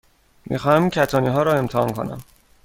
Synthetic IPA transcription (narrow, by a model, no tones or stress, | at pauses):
mʔḭxɒːhæmincʰæt̪ʰɒːniːɦɒːɾɒːe̞mt̪ʰehɒ̰ːnkʰo̞̰næ̰m